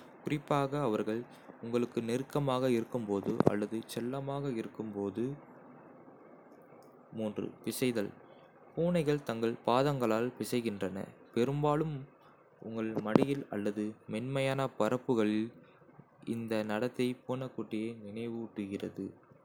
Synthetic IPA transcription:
kʊrɪpːaːɣɐːʋɐɾɣɐɭ | ʊŋɡɐɭɯkːɯnɪrkːɐmaːɣɐɪɾɯkːɯmpoːðɯ̰ʔɐ̰lːɐðɯt͡ʃɛlːɐmaːɣɐɪɾɯkːɯmpoːðɯ | muːndrɯ̰pɪsɐɪðɐɭ | puːnɐɪɣɐɭt̪ɐŋɡɐɭpaːðɐŋɡɐɭaːlpɪsɐɪɣɪndrɐnɐ̰pɛɾɯmbaːɭɯm | ʔʊŋɡɐɭmɐɽɪjɪlɐ̰lːɐðɯmɛnmɐjaːnɐpɐɾɐpːɯɣɐɭɪl | ɪ̰nd̪ɐnɐɽɐt̪ːɐɪpoːnɐkːuːʈːɪjɐːnɪnɐɪʋɯːʈːɯɣɪrɐðɯ

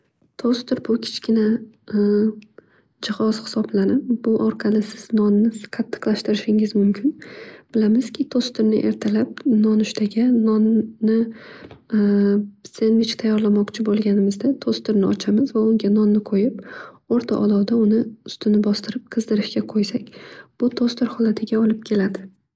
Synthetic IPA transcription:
t̪ʰost̪ɪɾbʊkʲʰɪ̥t͡ʃkʲɪna | d͡ʒɪhɒz̥hɪ̥sɒblanɪp̚bʊʔɒɾqʰɑlɪsɪz̥nɒnːɪqʰɑt̪ʰːɨ̥qlˠaʃt̪ɪɾɪʃɪŋɪzmʊmkʲʰɪnb̥ɪlamɪzkʲʰɪt̪ʰost̪ɪɾnɪ̰ʔe̞ɾt̪ʰalap̚nɒnʊʃt̪ʰaɡʲanɒnːɪ | senvɪt͡ʃkʲt̪ʰajːɒɾlamɒqt͡ʃʰɪbolˠɡʲanɪmɪzd̪at̪ʰost̪ɪɾnɪʔɒt͡ʃʰamɪzvaʊŋɡʲanɒnːɪqʰojɪp̚ | oɾt̪ʰaʔɒ̰d̪ɒwd̪aʊnɪʊst̪ʰɪnɪbɒst̪ɪɾɪp̚qʰɨzd̪ɪɾɪʃkʲaqʰojsakʲb̥ʊt̪ʰost̪ɪɾhɒlat̪ʰɪɡʲaɒlˠɪp̚kʲʰe̞lad̪ɪ

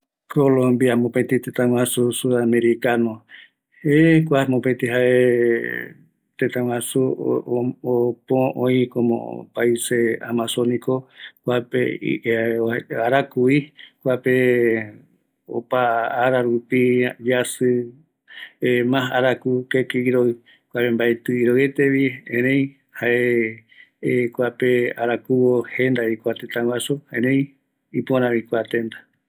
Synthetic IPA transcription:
kolõmbiamõpet̪it̪ẽt̪ãwãsusuameɾikanõ | ekʷamõpet̪iɦaʔe | t̪ẽt̪ãw̃ãsu | opõõĩkomõ̰paisea̰masonikokʷapḛḭ | aɾakuikʷape | o̰paːɾaɾupid͡ʒasɨ | emãɦaɾakukekiiɾoi | kʷapembaet̪ɨiɾoet̪eβiḛ̃ɾẽj̃ | haʔe | kʷapeaɾakuwohend̪aikʷat̪et̪ãwasuhẽɾẽj̃ | ipoɾãβĩkʷat̪end̪ḁ

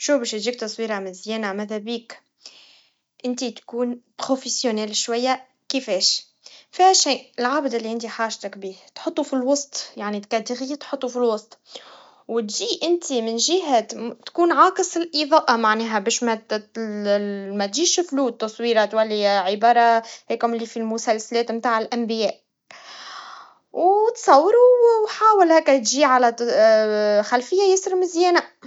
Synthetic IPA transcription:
ʃuːbɛːʃt̪ʒiːk̚t̪ɑsˤwiːɾɑmɪnzjɛːnamæðæbiːk | ʔɪnt̪it̪kuːnpɾofesjonɛːlʃwajːa | kɪfɛːʃ | fiʃiːʔɪlʕaːbd̪ʔɪlːiʔɪnt̪iħaːʒt̪akbiːht̪ħʊt̪ˤːufilwɑsˤt̪ˤjaʕnit̪kæd̪ɪɣit̪ħʊt̪ˤːufilwɑsˤt̪ˤ | wt̪ʒiːʔɪnt̪imɪnʒɪɦæt̪kuːnʕɑːkɨsˤɪlʔiðˤɑːʔɑmaʕnɛːɦæbɛːʃmæ | mæt̪ʒiːʃfluːt̪ːɑsˤwiːɾɑt̪wælːiʕɪbɑːɾˤɑhɛːkhʊmɪlːifilmʊsælsalɛːt̪mt̪aːʕɪlʔæmbɪjɛːʔ | wt̪sˤɑwːɾuwħaːwɪlhækːæt̪ʒiːʕalæ | xælfɪjːajɪsɾmɪzjɛːna

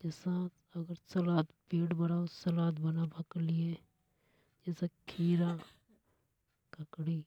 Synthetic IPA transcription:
d͡ʒɛːsa | ɐɡəɾsɐlaːt̪piːɽbəɽaːosɐlaːt̪bənabʱaklie | d͡ʒɛːsakʰiːɾa | kəkɽi

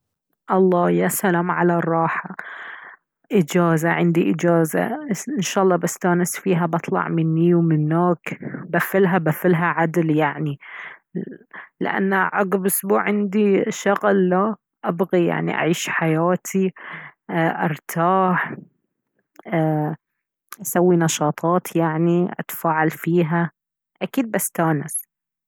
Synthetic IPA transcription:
ʔɑlˤːɑːjasalaːmʕalarˤːɑːħa | ʔɪd͡ʒaːzaʕɪnd̪iʔɪd͡ʒaːza̰ʔɪnʃaːʔɑlˤːɑːbast̪aːnɪsfiːɦabɑt̪ˤlɑ̰ʕmɪnːiwmɪnːaːkbafɪlɦabafɪlɦaʕad̪ljaʕni | lɪ̰ʔa̰nːaʕɑɡɪbʔʊsbuːʕʕɪnd̪iʃʊɣlːa | ʔabɣija̰ʕnḭʔa̰ʕiːʃħajaːt̪ʰiʔʔɑɾˤt̪ʰaːħ | ʔasawːinɑʃɑːt̪ˤɑːt̪jaʕniʔa̰t̪ḁfaːʕalfiːɦa | ʔakiːd̪̚basːt̪aːnɪs

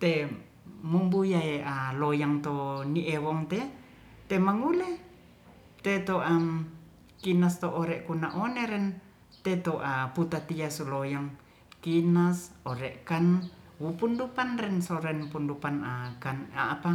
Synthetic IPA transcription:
t̪e | mumbujaealojaŋt̪oniʔewɔŋt̪ɛ | t̪emaŋulɛ | t̪et̪oʔam | kinast̪oʔːɾɛʔkunaʔoneɾɛn | t̪et̪oʔaput̪at̪iasulojaŋ | kinasoɾɛʔkanwupundupanrɛnsoɾɛnpundupanakanaːpa

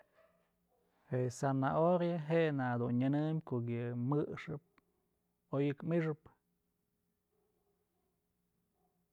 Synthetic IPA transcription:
hesanaʔoɾjaɦeʔenad̪unɲɨnɨmʲkoʔɡɨmɨʂɨp̚ | ojɨkmiʂɨp

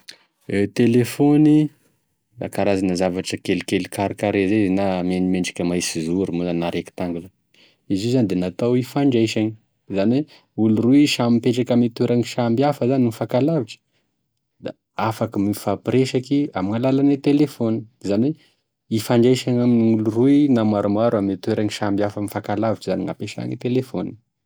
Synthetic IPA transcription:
et̪elefoni | la̰kaɾazanəzavaʈ͡ʂəkelkelikaɾikaɾezezenamanimeɳɖ͡ʐḁkʲəmajsizuɾumozannaɾeki̥t̪aŋɡula | izizanid̪enat̪awifaɳɖ͡ʐajʃaɲi | zanwe | uluruiʃamipeʈ͡ʂakamit̪eɾaŋiʃambiafəzanimifakalaviʈ͡ʂə̥ | d̪a̰ | afakimifapɾeʃakiamiŋalalanet̪elefoni̥zanwe | ifaɳɖ͡ʐajʃaɲaminiuluruinamaɾumaɾamit̪weɾaŋiʃambjafəmifakalaviʈ͡ʂizaniŋa̰peʃa̰ŋit̪elefoni

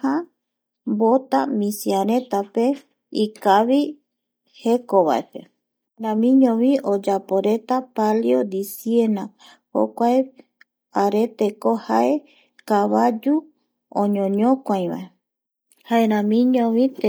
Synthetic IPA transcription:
a | bot̪amĩsiaɾẽt̪ape̞ | ikaβi | hekoβa̰epḛ | ɾãmĩɲõβiʔod͡ʒapoɾet̪apaljod̪isiena | ho̰kʷae | aɾe̞t̪e̞kohae̞ | kaβad͡ʒu | õɲõɲõkʷãj̃βa̰e | haeɾãmĩɲõβĩt̪

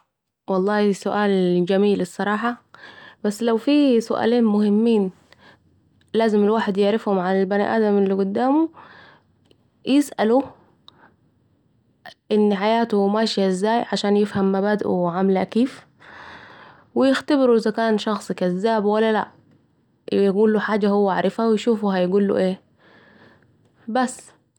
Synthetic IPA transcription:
wɑlˤːɑːhisʊʔaːld͡ʒamiːlɪsˤːɑɾˤɑːħɑb̥asːlawfiːsʊʔa̰ːliːnmʊhɪmːiːn | laːzɪmɪlwaːħed̪jɪʕɾɪfhʊmʕanɪlbanḭʔa̰ːd̪amɪlːiɡʊd̪ːaːmu | jʔɪsʔalu | ʔɪnːħajaːt̪ʊmaːʃʔɪzːaːjʕaʃaːnjɪfhamːabaːd̪ʔuʕamɪlʔæ̰kiːf | wɪjɪxt̪abɪɾuʔɪzækaːnʃɑxsˤikæzːaːbwælːælaʔ | jjɡuːlːuħaːd͡ʒahowːæʕaɾˤɪfawjʃuːfuɦæjɡuːlːṵʔeː | bæsː

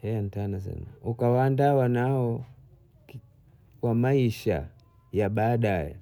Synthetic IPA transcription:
hɛan̩tanasɛ̰na̰ukawandawanaɔ | kwamaiʃa̰ | jaɓaːɗajɛ̰

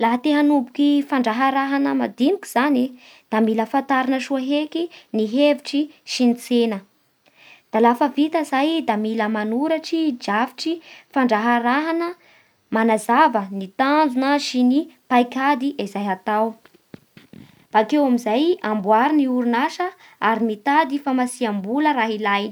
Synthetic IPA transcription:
laɦat̪eɦanubukifaɳɖ͡ʐaɦaɾaɦanəma̰d̪inikʲi̥z̥ani | d̪̥amiləfant̪aɾinəʃuaɦekiniɦeviʈ͡ʂiʃinit͡senə | d̪̥alafəvit̪əzajd̪amiləmanuɾaʈ͡ʂid͡ʒavi̥ʈ͡ʂifaɳɖ͡ʐaɦaɾaɦanə | manazavənit̪and͡zunəʃinipajkad̪iʔazajɦat̪aw | b̥akewamizajambwaɾiniuɾunaʃə | aɾimit̪ad̪ifamasiambuləɾaɦilajn

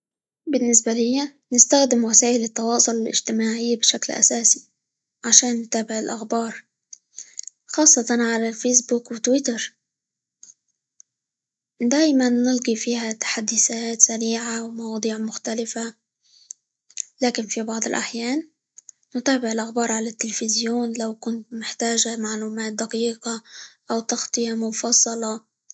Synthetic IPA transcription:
bɪnːɪsbalɪjːa | nɪst̪axd̪ɪmwasaːʔɪlɪt̪ːɑwɑːsˤʊlɪlʔɪ̰d͡ʒt̪ɪmaːʕɪjːabɪʃaklʔa̰saːsi̥ | ʕaʃaːnːʊt̪aːbɪʕɪlʔaxbɑːɾˤ | xɑːsˤːɑt̪ˤɑnʕalalfejs̬buːkwɪt̪wɪt̪ɑɾˤ | d̪aːjmanːɪlɡifiːhat̪ḁħad̪ːɪsat̪saɾiːʕawmɑwɑːd̪ˤiːʕmʊxt̪alɪfa | laːkɪnfibɑʕd̪ˤɪlʔa̰ħjaːnː | ʊt̪aːbɪʕɪlʔaxbɑːɾˤʕalat̪ːɪlfɪzjoːnlawkʊnt̪mɪħt̪aːʒamaʕluːmaːt̪̚d̪aqiːqɑʔawt̪ɑxt̪ˤɨjamʊfɑsˤːɑlɑ

